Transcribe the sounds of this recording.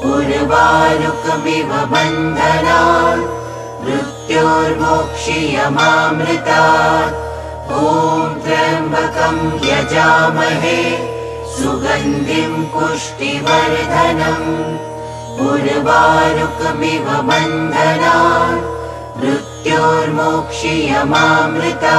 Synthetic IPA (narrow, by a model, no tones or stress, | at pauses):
ɡuɾʋaːɾukmiʋɐbɐnd̪ʱɐnaː | ʋɾut̪joːɾmoːkʂijɐmaːmɾɪt̪aː | ɦoːmt̪ɾɐɾmbʱɐkɐmjɐd͡ʒaːmɐɦeː | suɡɐnd̪ʱimpuʂʈiʋɐɾd̪ʱɐnɐm | ɡuɾbaːɾukmiʋɐbɐnd̪ʱɐnaː | ʋɾut̪joːɾmoːkʂijɐmaːmɾɪt̪aː